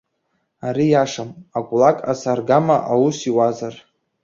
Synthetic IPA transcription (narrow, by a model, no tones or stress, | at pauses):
aɾijaʂamakʷʼlakʼasarɡamaʔawusiwazar